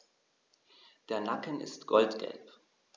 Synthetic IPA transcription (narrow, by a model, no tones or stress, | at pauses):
d̥eːɐnakənɪ̰stɡ̥ɔltɡ̥ɛ̰lp